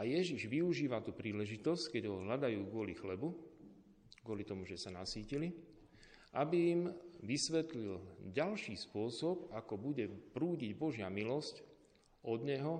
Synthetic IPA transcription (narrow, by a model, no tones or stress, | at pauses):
ajɛʒiʒʋiuʒiːʋat̪uːpɾiːlɛʒit̪ɔsckɛɟɦɔɔɦʎad̪ajuːɡʊɔlixlɛbu | ɡʊɔlit̪ɔmuʒɛsanasiːcili | ʔabijːmʋisʋɛt̪lilɟalʃiːspʊɔsɔpakɔbuɟɛpɾuːɟiɟbɔʒɪamilɔsc | ɔd̪ɲɛɦɔ